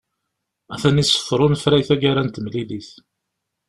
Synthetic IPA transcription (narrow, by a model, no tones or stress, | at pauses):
æθænisə̥fːɾˤʊnfɾæjθæɡaɾænt̪əmliliθ